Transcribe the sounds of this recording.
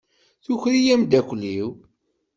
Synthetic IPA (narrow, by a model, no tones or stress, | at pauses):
θuçɾijæmd̪ækʷliw